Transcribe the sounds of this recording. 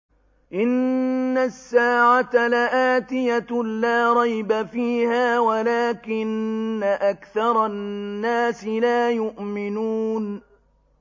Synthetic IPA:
ʔɪnːasːaːʕat̪alaʔaːt̪ɪjalaːɾˤɑjbafiːhaːwalaːkɪnːaʔakθɑɾˤɑnːaːsɪlaːjʊʔmɪnuːn

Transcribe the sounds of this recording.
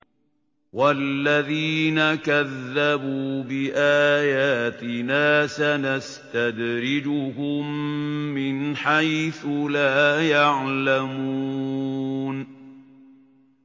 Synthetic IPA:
walːaðiːnakaðːabuːbɪʔaːjaːt̪ɪnaːsanast̪ad̪ɾɪd͡ʒʊhʊmː | ɪnħajθʊlaːjaʕlamuː | n

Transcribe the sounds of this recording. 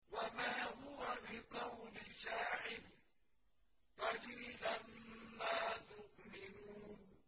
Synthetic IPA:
wamaːɦʊwabɪqɑwlɪʃaːʕɪl | qɑliːlamːaːt̪ʊʔmɪnuːn

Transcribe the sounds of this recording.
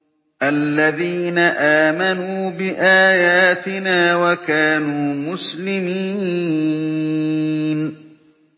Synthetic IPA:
ʔalːaðiːnaʔaːmanuːbɪʔaːjaːt̪ɪnaːwakaːnuːmʊslɪmiː | n

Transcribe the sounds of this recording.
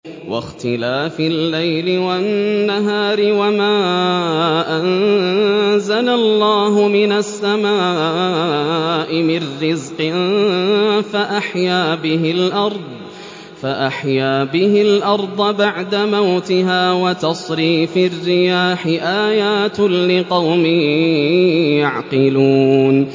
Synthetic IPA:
wa̰xt̪ɪlaːfɪlːajlɪwanːaɦaːɾɪwamaː | ʔan | zalalːɑːɦʊmɪnasːamaː | ʔɪmɪnːɪzqɪn | faʔaħjaːbɪɦɪlʔɑɾˤd̪ˤ | faʔaħjaːbɪɦɪlʔɑɾˤd̪ˤɑbaʕd̪amawt̪ɪɦaːwat̪ɑsˤɾiːfɪrːɪjaːħɪʔaːjaːt̪lɪqɑwmɪ | jaʕqɪluːn

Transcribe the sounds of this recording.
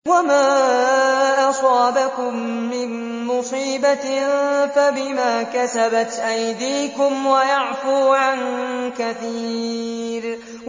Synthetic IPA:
wamaː | ʔɑsˤɑːbakʊmːɪnː | ʊsˤiːba | fabɪmaːkasabat̪ʔajd̪iːkʊmwajɑʕfuːʕankaθiːɾ

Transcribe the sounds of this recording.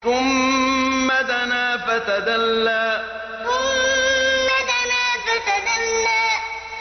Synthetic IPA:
kʊmː | at̪anaːfat̪ad̪alːaː | ʊmː | at̪anaːfat̪ad̪alːaː

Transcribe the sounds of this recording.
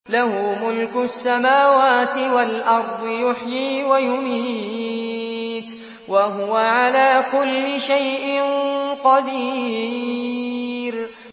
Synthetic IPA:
lahʊmʊlkʊsːamaːwaːt̪ɪwalʔɑɾˤd̪ˤɨjʊħjiːwajʊmiː | t̪ | waɦʊwaʕalaːkʊlːɪʃajʔɪnqɑd̪i | ɾ

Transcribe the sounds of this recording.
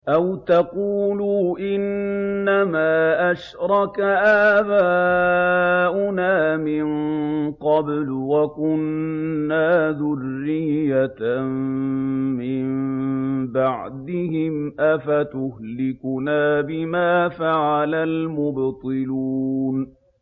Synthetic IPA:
ʔawt̪ɑquːluːʔɪnːamaːʔaʃɾˤɑkaʔaːbaː | ʔʊnaːmɪnqɑblwakʊnːaːðʊrːɪjːamː | ɪm | baʕd̪ɪhɪmʔafat̪ʊhlɪkʊnaːbɪmaːfaʕalalmʊbt̪ˤɨluːn

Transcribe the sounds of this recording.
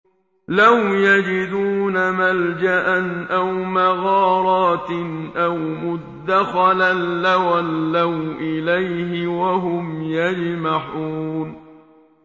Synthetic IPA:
lawjad͡ʒɪd̪uːnamald͡ʒaʔanʔawmaɣɑːɾˤɑːt̪nʔawmʊd̪ːaxalaːawalːawʔɪlajhɪwaɦʊmjad͡ʒmaħuːn

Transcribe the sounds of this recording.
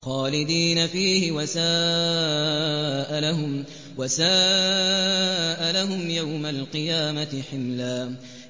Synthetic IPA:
xɑːlɪd̪iːnafiːhɪwasaː | ʔalahʊm | wasaː | ʔalaɦʊmjawmalqɨjaːmat̪ɪħɪmlaː

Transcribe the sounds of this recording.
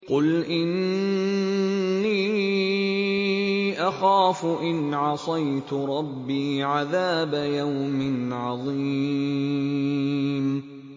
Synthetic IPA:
qʊlʔɪn | iː | ʔaxaːfʊʔɪnʕɑsˤɑjt̪ʊɾˤɑbːiːʕaðaːbajawmɪnʕɑðˤiː | m

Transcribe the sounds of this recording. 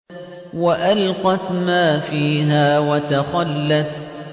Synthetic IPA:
waʔalqɑt̪maːfiːɦaːwat̪axalːat̪

